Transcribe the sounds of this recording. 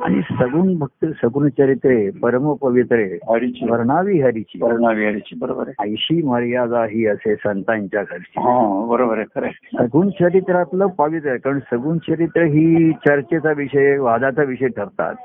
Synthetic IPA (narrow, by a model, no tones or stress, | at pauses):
a̰ñḭsəɡuːnbʱək̚t̪ːsəɡuːɳt͡ɕəɾit̪ɾepəɾməpəʋit̪ɾeɦəɾit͡ɕipəɾɳaʋiɦəɾit͡ɕiːpəɾɳaʋiɦəɾit͡ɕiːbəɾobəɾeəjɕiːməɾjad͡zaɦiːəsesənt̪aɲt͡ɕjakʰəɾt͡ɕiɦãbəɾobəɾəkʰəɾesəɡuːɳt͡ɕʰəɾit̪ɾat̪ləpəʋit̪ɾəkaɾəɳsəɡuːɳt͡ɕʰəɾit̪ɾəɦiːt͡ɕəɾt͡ɕet͡saʋiʂəjeʋad͡zat͡saʋiʂəjʈʰəɾt̪a̰t̪̚